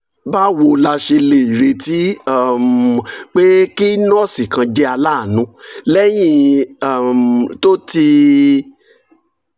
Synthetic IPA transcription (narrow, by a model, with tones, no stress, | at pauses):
ba˦wo˧la˧ʃe˧le˨i˨ɾe˧ti˨˦˨m˨k͡pe˦ki˦nɔ̃˦˨si˨kã˧d͡ʒe˦a˧la˦˨nũ˨˦lɛ˦j̃ĩ˧˨ | mto˦ti˧